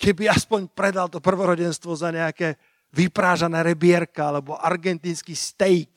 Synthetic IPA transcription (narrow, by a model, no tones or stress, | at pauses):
kʰɛbiaspɔɲpɾɛd̪alt̪ɔpr̩ʋɔɾɔɟɛnst̪ʋɔzaɲɛakɛː | ʋipɾaːʒanɛːɾɛbɪɛɾkaalɛbɔʔaɾɡɛnt̪iːnskiːst̪ɛjk